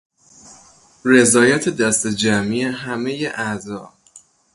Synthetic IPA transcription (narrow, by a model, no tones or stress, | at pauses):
re̞zɒːjæt̪ʰed̪æst̪ed͡ʒæmieɦæmejeʔæʔzɒː